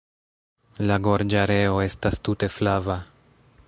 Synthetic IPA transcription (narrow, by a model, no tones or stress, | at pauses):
laɡo̞ɾd͡ʒaɾe̞o̞e̞stastute̞flava